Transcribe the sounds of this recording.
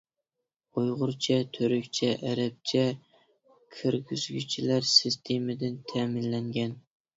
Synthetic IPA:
ojʁʊɾt͡ʃʰɛt̪ʰøɾykʲt͡ʃʰɛʔæɾɛp̚t͡ʃʰɛ | kʲʰɪɾɡʲyz̥ɡʲy̰t͡ʃʰilæɾsɪst̪ʰemɪd̪ɪnt̪ʰæmɪnlɛŋɡʲɛn

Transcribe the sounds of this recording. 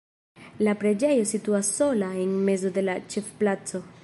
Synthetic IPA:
lapɾe̞d͡ʒejo̞sit̪uasːo̞laenme̞zo̞d̪e̞lat͡ʃefplat͡so̞

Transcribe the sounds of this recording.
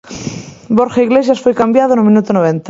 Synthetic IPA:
boɾxaiɣles̬jasfojkambjað̞onomĩnut̪onoβ̞ẽnt̪a

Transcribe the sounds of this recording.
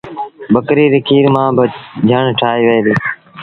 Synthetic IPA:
bəkɾiːɾɪkʰiːɾmãːbəd͡ʒʱəɳʈʰaːiːʋejːɾiː

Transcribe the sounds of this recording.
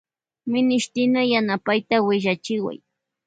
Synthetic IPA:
mɪnɪʃt̪ɪnajanapajt̪awɪʎat͡ʃɪwa̰j

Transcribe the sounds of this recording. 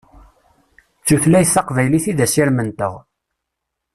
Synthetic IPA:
t͡sːuθlæjθːɑqvæjliθiðæsiɾmənt̪əʁ

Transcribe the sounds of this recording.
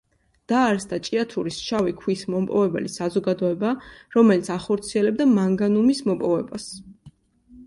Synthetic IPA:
d̪̥aːɾsd̪at͡ʃʼiat̪ʰuɾisʃavikʰwismɔmpʼɔvɛbɛ̰lisazɔɡad̪ɔɛbaɾɔmɛlit̪sʰaχɔɾt̪sʰiɛlɛb̚d̪amaŋɡanumismɔpʼɔvɛbas

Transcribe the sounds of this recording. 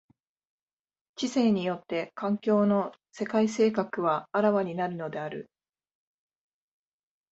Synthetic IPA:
t͡ɕise̞ːɲ̟ijo̞t̪ːe̞kãŋkʲo̞ːno̞ | se̞kaise̞ːkakɯ̟βaːɾaβaɲ̟inaɾɯ̟no̞d̪e̞aɾɯ̟̰

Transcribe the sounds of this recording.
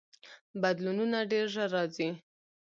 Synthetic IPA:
bad̪lununaɖeɾʒəɾɑzi

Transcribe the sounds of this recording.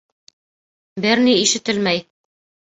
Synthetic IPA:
bɘɾniiʃɘ̆t̪ɘlmæj

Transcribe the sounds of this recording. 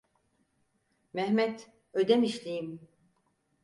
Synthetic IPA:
mɛhmɛt̪ | ød̪ɛmiʃlʲijim

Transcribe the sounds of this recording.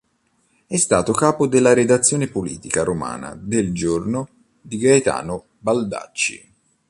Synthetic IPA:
ɛst̪aːt̪okaːpod̪elːaɾed̪at̪sːjoːnepolḭːt̪ikaɾoma̰ːna̰d̪eld͡ʒorno | d̪iɡajt̪a̰ːno | bald̪a̰t͡ʃːḭ

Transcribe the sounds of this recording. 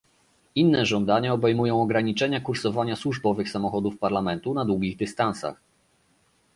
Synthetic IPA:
inːɛʐɔnd̪aɲaɔbɛjmujɔ̃w̃ɔɡɾaɲit͡ʂɛɲakuɾsɔvaɲaswuʐbɔvɘxsamɔxɔd̪ufpaɾlamɛnt̪unad̪wuɡʲiɣd̪ɘst̪ansa̰x

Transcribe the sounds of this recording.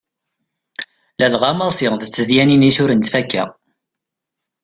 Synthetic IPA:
læðʁɑmɑsˤɪʁðət͡sːəðjæninisʊɾənt̪fækːæ̰

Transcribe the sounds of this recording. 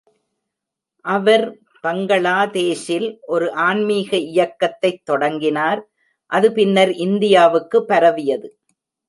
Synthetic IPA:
ʔɐʋɐɾ | pɐŋɡɐɭaːt̪eːsɪlʔɔɾɯʔaːnmiːɣɐɪjɐkːɐt̪ːɐɪt̪ːɔɽɐŋɡɪnaːɾ | ʔɐðɯpɪnːɐɾʔɪnd̪ɪjaːʋɯkːɯpːɐɾɐʋɪjɐðɯ

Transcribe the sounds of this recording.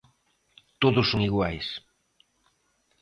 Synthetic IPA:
t̪oðʊsːoŋiɣwajs

